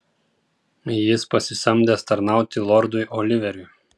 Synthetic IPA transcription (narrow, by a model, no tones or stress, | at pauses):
jɪspɐsʲɪsʲɐmʲd̪ʲeːst̪ɐɾnɑˑʊt̪ʲɪlˠɔɾd̪ʊɪʔɔlʲɪʋʲɛɾʲʊɪ